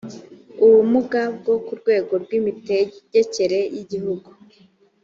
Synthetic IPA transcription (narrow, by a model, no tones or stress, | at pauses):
uβumuɡab̚ɡo̞kuɾɡwe̞ːɡo̞ɾɡwiːmiteɟe̞ce̞ɾe̞jiɟiɦuɡu